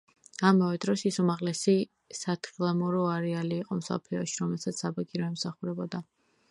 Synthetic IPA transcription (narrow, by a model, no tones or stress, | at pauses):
amavɛd̪ɾɔsisumaʁlɛsi | sat̪ʰχilˠamɔɾɔaɾɛaliːqʼɔmsɔ̰pʰliɔʃiɾɔmɛlˠsat̪sʰabaɡʼiɾɔɛmsaχuɾɛbɔd̪a